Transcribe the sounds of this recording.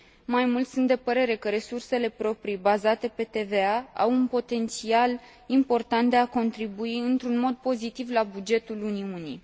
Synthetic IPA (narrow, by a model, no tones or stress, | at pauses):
majmult̪sunt̪d̪e̞pəɾe̞ɾe̞kəɾe̞surse̞le̞pɾo̞pɾibazat̪e̞pe̞t̪e̞ve̞aa̰wunpo̞t̪e̞nt̪sial | impo̞rt̪ant̪̚d̪e̞ako̞nt̪ɾibuiɨnt̪ɾunmo̞d̪̚po̞zit̪ivlabud͡ʒe̞t̪uluniuni